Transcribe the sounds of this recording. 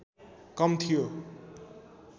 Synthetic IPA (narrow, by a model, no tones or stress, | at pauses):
kʌmt̪ʰijo